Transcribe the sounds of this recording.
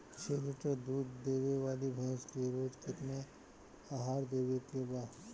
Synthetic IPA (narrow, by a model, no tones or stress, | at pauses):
t͡ʃʰeːlɪʈəd̪uːd̪ːeːʋeʋaːlibʱɐ̃ːskiɾoːd͡ʒkɪt̪ne | aːɦaːɾd̪eːʋekebaːd